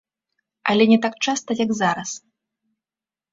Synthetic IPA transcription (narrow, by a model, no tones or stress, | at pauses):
ɐ̰lʲɛnʲɛt̪ak̚t͡ʂast̪ɐjaɡzaɾɐs